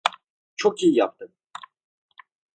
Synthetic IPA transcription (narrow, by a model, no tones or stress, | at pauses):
t͡ʃʰokijijap̚t̪ʰɯm